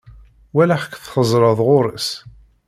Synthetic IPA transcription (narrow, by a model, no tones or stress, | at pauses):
wælaħə̥kθχəzˤɾˤəðˤʁʊɾˤəs